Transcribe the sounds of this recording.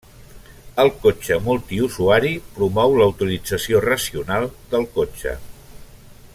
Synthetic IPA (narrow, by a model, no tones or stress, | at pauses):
əlˠkot͡ʃəmulˠt̪iuzuaɾipɾumɔwləwt̪ilid͡zəsiorəsiunalˠd̪əlˠkot͡ʃə̰